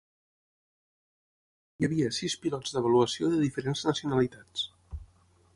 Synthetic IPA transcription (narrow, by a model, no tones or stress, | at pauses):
jəβiəsispilɔzd̪əβəluəsioðəðifəɾenznəsiunəlit̪at͡s